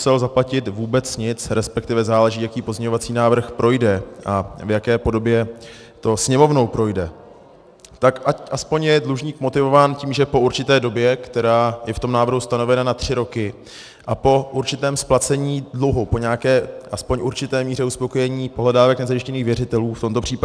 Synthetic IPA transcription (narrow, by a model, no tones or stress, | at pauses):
sɛlzaplacɪt̪vuːbɛt͡sɲɪt͡sɾɛspɛk̚t̪ɪvɛzaːlɛʒiːjakiːpozɲɛɲovat͡siːnaːvr̩xpɾʔo̞jdɛʔavjakɛːpo̞do̞bjɛ | t̪o̞sɲɛmo̞vno̞wpɾo̞jdɛ | t̪akʔaʔaspo̞ɲjɛdluʒɲiːkmo̞t̪ɪvo̞vaːnciːmʒɛpo̞uɾt͡ʃɪt̪ɛːdo̞bjɛkt̪ɛɾaːjɛft̪o̞mnaːvr̩ɦust̪ano̞vɛnanat̪r̝̥ɪɾo̞kɪ | ʔapo̞ʔuɾt͡ʃɪt̪ɛːmsplat͡sɛɲiːdluɦupo̞ɲɛakɛːʔaspo̞ɲʔuɾt͡ʃɪt̪ɛːmiːr̝ɛuspo̞ko̞jɛɲiːpo̞ɦlɛdaːvɛknɛzajɪʃcɛniːxvjɛrɪt̪ɛluːft̪o̞mt̪o̞pr̥iːpa